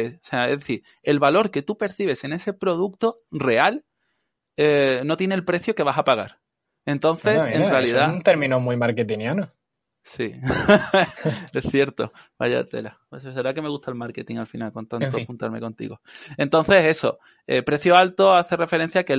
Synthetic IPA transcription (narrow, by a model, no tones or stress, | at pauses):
oseaezðeθiɾ | e̞lβalo̞ɾke̞t̪upe̞ɾθiβe̞se̞ne̞se̞pɾo̞ðuk̚t̪ore̞al | eno̞t̪je̞nelpɾe̞θjoke̞β̞asapaɣ̞aɾ | e̞nt̪o̞nθesenrrealiðaunt̪eɾmĩnomijmaɾket̪injano | si | e̞θje̞ɾt̪o̰ | b̥a̰ʝa̰t̪e̞̰la | eses̬eɾake̞me̞ɣuht̪aelmaɾke̞t̪iŋalfinalko̞nt̪ant̪oxunt̪aɾme̞̰ko̞nt̪ḭɣo̞e̞nt̪o̞nθe̞se̞so̞̰ | ḛpɾe̞θjoalt̪o̞aθe̞re̞fe̞ɾe̞n̟θjake